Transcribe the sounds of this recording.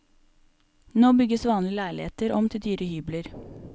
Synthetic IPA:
noːbʏɡəsʋɑːnlɪlæɪɭɪheːt̪əɾɔmt̪ʰɪld̪yːɾəhyːbləɾ

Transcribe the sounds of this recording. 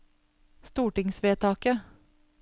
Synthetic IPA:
st̪uːʈɪŋsʋeːt̪ʰɑːkə

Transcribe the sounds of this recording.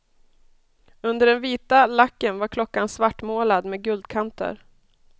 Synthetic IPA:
ɵnd̪əɖɛnviːt̪alakːənvaɾkʰlɔkːansvaʈːmoːlad̪meːɡɵld̪̚kʰant̪ə̰ɾ

